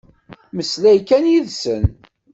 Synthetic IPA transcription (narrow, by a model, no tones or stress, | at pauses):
məslæjkænjiðsən